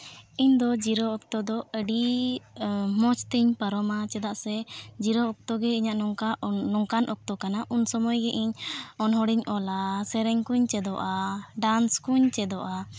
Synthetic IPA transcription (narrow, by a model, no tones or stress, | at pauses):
iɲd̪ɔd͡ʒiɾɔɔk̚t̪ɔd̪ɔəɖi | mɔt͡ʃt̪iɲpəɾɔmat͡ʃɛd̪aʔsɛd͡ʒiɾɔːk̚t̪ɔɡɛiɲaʔnɔŋkanɔŋkanʔɔk̚t̪ɔkanaʔunsɔmɔjɡɛʔiɲɔnɦɔɽiɲʔɔlasɛɾɛɲkuɲt͡ʃɛd̪ɔʔaɖanskuɲt͡ʃɛd̪ɔʔa